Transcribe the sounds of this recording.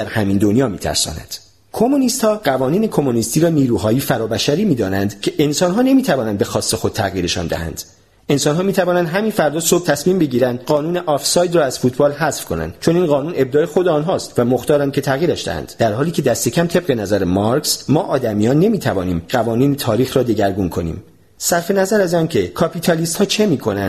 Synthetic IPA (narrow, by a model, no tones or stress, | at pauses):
d̪æɾhæmind̪onjɒːmiːt̪ʰæ̰ɾsɒ̰næ̰nd̪̥ | kʰo̞muniːst̪hɒːɢævɒːniːnekʰo̞munist̪iːɾɒːniːɾuːɦɒːjifæɾɒːbæʃæɾiːmiːd̪ɒːnænd̪cʰe̞ʔensɒːnɦɒːne̞miːt̪ʰævɒːnænd̪be̞xɒːsːe̞xo̞d̪̚t̪ʰæɣjiːɾe̞ʃɒ̰ːnd̪æ̰hæ̰nd̪̥ | e̞nsɒːnɦɒːmiːt̪ʰævɒːnænd̪ɦæmiːnfæɾd̪ɒːsob̚t̪ʰæsmiːmbe̞ɟiːɾænd̪ɢɒːnuːneʔɒfsɒːjd̪rɒːæz̥fuːt̪ʰbɒːlɦæsfkʰo̞̰næ̰nd̪̥t͡ʃʰo̞niːnɢɒːnuːne̞b̚d̪ɒːexod̪eɒːnɦɒːst̪væmo̞xt̪ɒːɾæn̚cʰe̞t̪ʰæɣiːɾæʃd̪æ̰hæ̰nd̪̥d̪æɾhɒːliːcʰe̞d̪æst̪e̞cʰæmt̪ʰeb̚ɢe̞næzæɾemɒɾksmɒːʔɒːd̪æmijɒːnːe̞miːt̪ʰævɒːniːmɢævɒːniːnet̪ʰɒːɾiːxɾɒːd̪eɟæɾɡunkʰo̞nḭːm | sæɾfe̞næzæɾæzɒːncʰe̞kʰɒpʰiːt̪ʰɒliːst̪hɒːt͡ʃʰe̞miːkʰo̞nænd̥̪